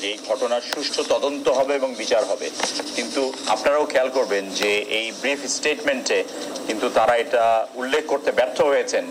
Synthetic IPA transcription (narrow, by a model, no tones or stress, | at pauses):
ejɡʱɔʈonaɾʃuʃʈʰot̪ɔd̪ont̪oɦɔbeeboŋbit͡ɕaɾɦɔbekint̪ua̰pnaɾaokʰɛalkoɾbend͡ʑeejbɾifʰsʈeʈmeɳʈe | kint̪ut̪aɾaeʈaulːekʰkoɾt̪ebɛp̚t̪ʰoɦojet͡ɕʰen